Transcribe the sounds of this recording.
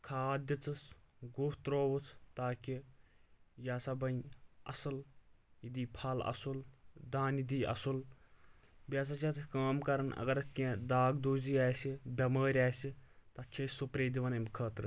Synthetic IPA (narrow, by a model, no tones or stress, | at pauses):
kʰaːd̪ʲjɐt͡sɨsɡuht̪ɾoːwut̪ʰt̪aːki | jaːsabɐjɐ̰sɐlid̪iːpʰɐlɐ̰suld̪aːnid̪iːʔɐ̰sul | bʲaːs̬at͡ʃʰɐt̪ʰkaːmkɐɾɐnɐ̰ɡɐɾɐt̪ʰkʲẽːd̪aːɡd̪uːziːaːsibʲɐməːɾʲaːsit̪ɐt͡ʃʰeːsupɾeːd̪iʋɐnɐmʲkʰɐːt̪ɾɨ